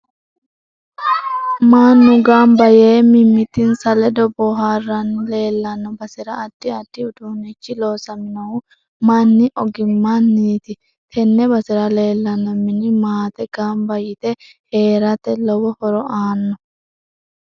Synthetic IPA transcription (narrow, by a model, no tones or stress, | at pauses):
maːnːʊɡaːmbɐjeːmɪmːɪt̪ɪnsɐlɛd̪ɔbɔɦaːrːɐnle̞ːlːɐnːɔbɐsɪɾɐːd̪̥ːɪɐd̪̥ːɪʊd̪uːnɛt͡ʃːɪloːsɐmɪnɐwʊ | manːɪʔɔɡɪmːanːiːt̪ɪ | t̪ʰɛnːɛbɐsɪɾɐle̞ːlːɐnːɔmɪnɪmaːt̪ɛɡ̥aːmbɐjɪt̪ɛ | heːɾɐt̪ɛlɔwɔhɔɾɔʔaːnːɔ